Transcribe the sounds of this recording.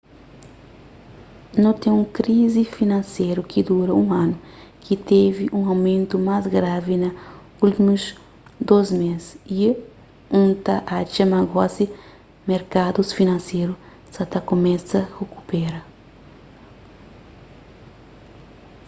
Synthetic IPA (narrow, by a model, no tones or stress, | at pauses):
nõt̪ẽũŋkɾizifinɐ̃nseɾukʰid̪uɾɐũanukʰit̪eviʔũɐwmẽnt̪umazɡɾavinɐ | ult̪imuz | d̪ozmesi | ũnt̪ɐʔat͡ʃɐmaɡɔsi | meɾkad̪usfinɐ̃nsejɾu | sɐt̪ɐkomɛsɐheku̥pɛɾɐ